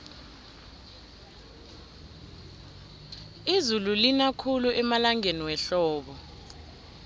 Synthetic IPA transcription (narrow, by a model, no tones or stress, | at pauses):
izululinakʰuluʔɛmalaŋeniwɛɬɔːɓɔ